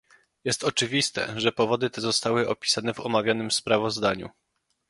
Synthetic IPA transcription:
jɛst̪ɔt͡ʂɘvʲist̪ɛ̰ʐɛpɔvɔd̪ɘt̪ɛzɔst̪awɘʔɔpʲi̥sanɛvɔmavʲjanɘmspɾavɔzd̪aɲṵ

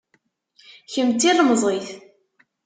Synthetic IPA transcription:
çəmt̪ːilˤməzˤiθ

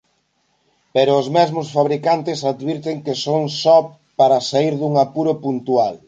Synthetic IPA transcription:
peɾʊːzmezmʊsfaβɾikant̪ɪsaðβiɾt̪eŋkesoŋsɔ | paɾɐsaiɾðuŋapuɾopunt̪ual

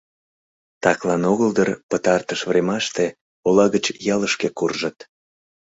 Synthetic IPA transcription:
t̪ɑklɑnoɣəld̪ərpət̪ɑrt̪əʃvremɑʃt̪e | olɑɣət͡ɕjɑləʃkekurʒət̪

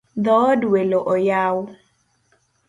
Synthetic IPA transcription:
ðɔːduelɔʔɔjawʊ

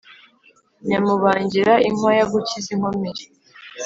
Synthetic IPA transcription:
ɲamuβaːɲɟiɾaiŋwajaɡuciziŋ̥omiɾi

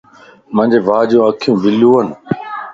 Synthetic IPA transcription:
mə̃ɲʲd͡ʑeːʋaːd͡ʒõːəkʰijũːbɪljuːən

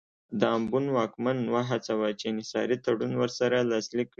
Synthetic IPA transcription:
d̪əambunwɑkmanːwaɦat͡sawat͡ʃenɪsɑ̰ɾit̪aɽunwəɾsaɾalɑslikːɽi

